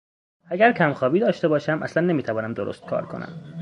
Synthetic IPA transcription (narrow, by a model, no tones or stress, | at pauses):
æɟæɾcʰæmxɒːbiːd̪ɒːʃt̪e̞bɒːʃæmʔæ̰slænːe̞miːt̪ʰævɒːnæmd̪oɾo̰st̪̚kʰɒ̰ːɾkʰo̞næ̰m